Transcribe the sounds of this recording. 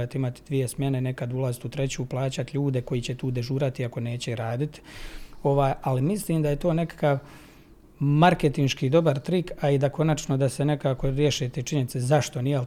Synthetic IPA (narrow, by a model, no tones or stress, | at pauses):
at̪imat̪i̥d̪ʋije̞smʲje̞ne̞ne̞kad̪ulˠazit̪ut̪ɾe̞t͡ɕuplˠaːt͡ɕat̪ʎuːd̪e̞ko̞jiːt͡ɕe̞t̪uːd̪e̞ʒuːɾat̪iako̞ne̞ːt͡ɕe̞ɾaːd̪it̪i̥o̞ʋaːjalimisliːmd̪aje̞t̪o̞ːne̞kḁkaʋ | maɾke̞t̪inʃkiːd̪o̞baɾt̪ɾikaid̪ako̞nat͡ʃno̞d̪ase̞ne̞kaːko̞ɾje̞ʃit̪et͡ʃiɲe̞nit̪sezaʃt̪o̞nije